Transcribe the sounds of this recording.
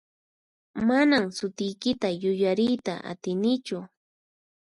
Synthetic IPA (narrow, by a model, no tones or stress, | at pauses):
manamsʊt̪ɪjkɪt̪ajʊjaɾɪjt̪a̰ʔa̰t̪ɪnɪt͡ʃʊ